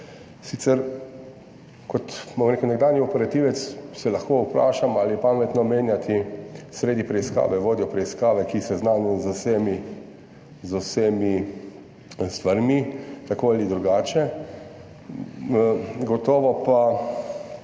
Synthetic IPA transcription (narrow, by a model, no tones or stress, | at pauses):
sit̪sɛɾ | kɔt̪bomɾeːkʊwnɛɡd̪aːnjiɔpɛɾat̪iʋɛt̪ssɛlɐxkoupɾa̰ːʃamalipamɛt̪nɔmeːnjat̪ʰisɾeːd̪ipɾɛiska̰ːʋɛʋoːd̪jɔpɾɛiskaːʋɛkisɛznaːnɔzosemi | zusemi | st̪ʋaɾmit̪akoalid̪ɾuɡaːt͡ʃɛ | ɡɔt̪ɔːʋɔpa